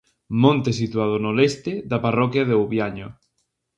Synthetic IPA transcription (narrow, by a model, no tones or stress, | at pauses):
mõnt̪esit̪uaðʊnolɛst̪ɪðaparɔkjaðeuβjaɲʊ